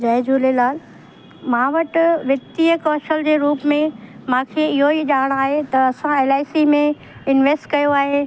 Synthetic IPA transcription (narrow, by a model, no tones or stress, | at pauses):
d͡ʑɐːɪd͡ʑuːlelaːl | mãːʋɐʈʋɐt̪iəkɔːʃəld͡ʑeːɾuːpmẽmãːkʰeːɪɦoiʄaːɽ̃aːɦet̪ɐɐsãeːlaːɪsimẽ | ɪnʋeːsʈkɐjoaːɦe